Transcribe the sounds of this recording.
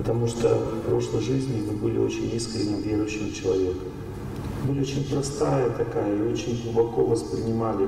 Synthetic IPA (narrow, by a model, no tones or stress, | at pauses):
pət̪ɐmuʂt̪ə̰fpɾo̞ʂlˠəjʐɨzʲnʲɪmɨbɨlʲɪ̰o̞̰t͡ɕɪnʲiskɾʲɪnʲɪvʲeɾʊjɕːɪmt͡ɕɪlˠɐvʲe̞kə | bɨlʲɪot͡ɕɪnʲpɾɐst̪ajət̪ɐkajəio̞t͡ɕɪnʲɡlˠʊbɐko̞vəspɾʲɪnʲɪmalʲɪ